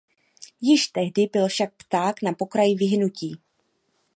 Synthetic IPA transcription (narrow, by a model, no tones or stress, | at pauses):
jɪʃt̪ɛɦdɪbɪlfʃak̚pt̪aːknapo̞kɾajɪvɪɦnuciː